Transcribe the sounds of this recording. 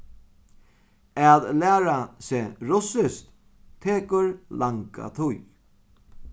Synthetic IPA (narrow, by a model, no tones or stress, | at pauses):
aːðlæːɾaseːɹʊsɪst̪ | t̪ʰeːkʊɹlaŋka̰t̪ʰʊj